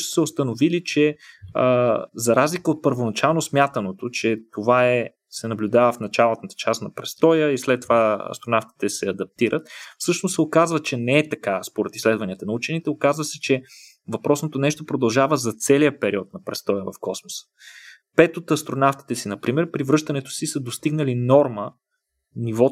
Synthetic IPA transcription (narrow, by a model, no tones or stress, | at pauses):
ʃt̪o̥sɛost̪ɐnovilit͡ʃɛəzɐɾazlikəot̪̚pəɾvonɐt͡ʃalˠnosmʲjat̪ənot̪ot͡ʃɛt̪ovaɛ | sɛnɐblʲud̪avəfnɐt͡ʃalˠət̪ət̪ə̥t͡ʃasnɐpɾɛst̪ɔjəislɛt̪ːovaɐ̰st̪ɾonaft̪i̥t̪ɛsɛɐd̪ɐp̚t̪iɾət̪̚fsɤʃnossɛokazvət͡ʃɛnɛːt̪ɐkaspoɾɛt̪islɛd̪vɐniət̪ɐnɐut͡ʃɛnit̪ɛokazvəsɛt͡ʃɛ | vɐpɾɔsnot̪onɛʃt̪opɾod̪ɐlˠʒavəzɐt̪sɛlijəpɛɾiɔt̪̚nɐpɾɛst̪ɔjəvɐfkɔsmosə̥ | pɛt̪ot̪ɐst̪ɾonaft̪i̥t̪ɛsinɐpɾimɛɾpɾivɾɤʃt̪ɐnɛt̪o̥sisəd̪ost̪iɡnəlinɔɾmə | nivɔ